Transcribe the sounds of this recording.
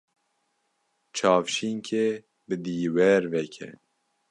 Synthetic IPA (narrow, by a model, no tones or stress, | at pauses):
t͡ʃʰɑːfʃiŋkʰe | bɨd̪iːwɛɾvɛkʰɛ̰